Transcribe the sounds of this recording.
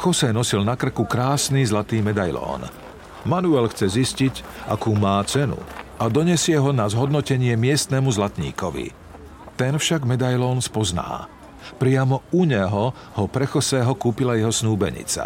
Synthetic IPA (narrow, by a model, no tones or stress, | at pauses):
xɔsɛːnɔsilnakr̩kukɾaːsnizlat̪iːmɛd̪ajlɔ̰ːn | manuɛlxt͡sɛziscicʔa̰kuːmaːt͡sɛnṵad̪ɔɲɛsɪɛɦɔnazɦɔd̪nɔcɛɲɪɛmɪɛst̪nɛmuzlat̪ɲḭːkɔʋḭ | t̪ɛnfʃaɡmɛd̪ajlɔːnspɔzna̰ː | pɾɪamɔuɲɛɦɔ | hɔpɾɛxɔsɛːɦɔkuːpilajɛɦɔsnuːbɛ̰ɲḭt͡sa̰